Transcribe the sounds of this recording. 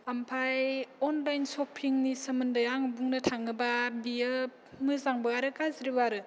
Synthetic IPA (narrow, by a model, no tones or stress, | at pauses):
ampʰajɔnlajnsɔpʰiŋnisɐmɯndɯjaŋbuŋnɯtʰaŋɯbabijɯ | mɯzaŋbɯaɾɯkazɾiwaɾɯ